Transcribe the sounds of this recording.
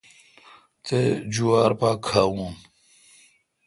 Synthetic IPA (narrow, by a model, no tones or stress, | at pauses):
t̪ed͡ʑuwaːɾpakʰawũ